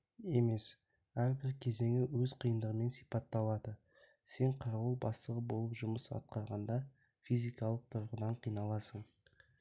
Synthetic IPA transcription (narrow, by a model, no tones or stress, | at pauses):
e̞me̞s | æɾbɪɾkʲʰe̞ze̞ŋɪwɵzqʰəjənd̪əʁəme̞nsijpɑt̪ːɑlˠɑd̪ə | se̞ɴqʰɑɾulˠbɑst̪əʁəbo̞lˠəpʒʊməsɑ̰t̪̚qɑɾʁɑnd̪ɑ | fijzijkɑlˠəq̚t̪ʰʊɾʁəd̪ɑɴqʰijnɑlˠɑsəɴ